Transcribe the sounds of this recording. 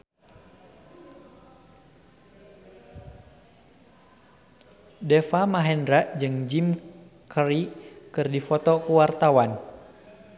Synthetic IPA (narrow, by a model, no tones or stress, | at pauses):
dɛfamaɦɛndɾaʔd͡ʒɨŋd͡ʒim | kʰəɾikɨrdifɔt̪ɔkuwart̪awan